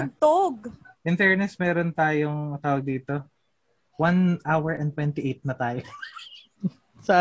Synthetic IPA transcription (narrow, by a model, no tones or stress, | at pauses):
ɐɡ̚t̪oɡ̚ʔɪnt̪ɛɹnɛsmɛːɾont̪aːjoŋt̪aːwɐɡ̚d̪iːt̪o | wanʔawɛɹʔɛnt̪wɛnt̪ɪʔejt̪̚nɐt̪aːjo | sɐʔ